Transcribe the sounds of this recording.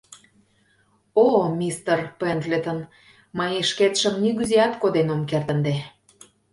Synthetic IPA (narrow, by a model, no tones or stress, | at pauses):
omʲist̪ərpend̪lʲet̪ən | mɑjeʃket̪ʃə̆mniɣyzeɑt̪kod̪enomkert̪ə̆nd̪e